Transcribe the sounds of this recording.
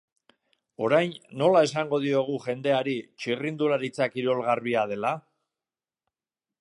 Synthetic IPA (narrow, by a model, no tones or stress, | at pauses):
o̞ɾajnːo̞lae̞saŋɡo̞ð̞io̞ɣ̞uʝe̞nd̪e̞aɾit͡ʃirind̪ulaɾit͡sakiɾo̞lɣariað̞e̞la